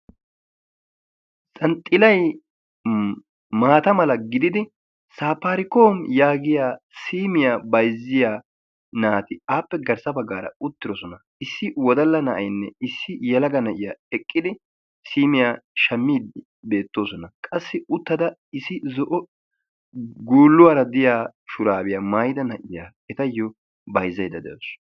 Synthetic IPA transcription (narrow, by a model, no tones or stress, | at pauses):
sʼɐnt̪ʼːɪlɐj | maːt̪ɐmɐlɐɡɪd̪ɪd̪ɪ | saːpːaːɾɪkoːmjaːɡɪjaː | siːmɪjabɐjzːɪja | naːt̪ɪaːpːɛɡɐɾsɐbɐɡːaːɾɐ̰ʊt̪ːɪɾɔsɔnɐ | ɪsːɪwɔd̪ɐlːɐnɐʔɐ̰jnːɛɪsːɪjɛlɐɡɐnɐʔɪjaːɛkʼːɪd̪ɪ | siːmɪjaʃɐmːiːd̪ɪ | be̞ːt̪ːoːsɔnɐkʼɐsːɪʊt̪ːɐd̪ɐɪsɪzɔʔɔ | ɡuːlːʊwaːɾɐd̪ɪjaːʃʊɾaːbɪjamɐjd̪ɐnɐʔɪjaː | ɛt̪ɐjːɔ | bɐjzɐjd̪ɐd̪ɛ̰jos